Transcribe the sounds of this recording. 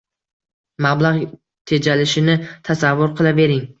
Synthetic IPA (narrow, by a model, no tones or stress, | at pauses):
mablˠaʁ | t̪ʰe̞d͡ʒalɪʃɪnɪt̪ʰasavːʊɾqʰɨlˠave̞ɾɪŋ